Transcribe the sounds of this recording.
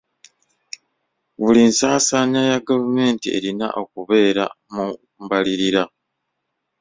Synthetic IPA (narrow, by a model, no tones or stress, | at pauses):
βulinsaːsaːɲajaɡavume̞ːntie̞̰ɾina̰ʔo̞kuβe̞ːɾa̰ | mu | mbaliɾiɾa